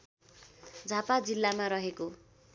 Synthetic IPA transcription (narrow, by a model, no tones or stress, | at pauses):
d͡zʱapad͡zilːamaɾʌɦeko